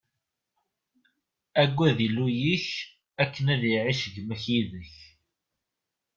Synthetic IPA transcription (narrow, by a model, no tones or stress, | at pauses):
æɡʷːæðilujiç | ækːənæðiʕiʃəʝməçiðəç